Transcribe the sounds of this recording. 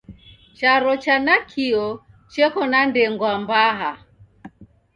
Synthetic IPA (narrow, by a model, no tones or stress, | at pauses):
t͡ʃaɾɔt͡ʃanakʰiɔ | t͡ʃɛkɔnandɛŋɡwambaɦa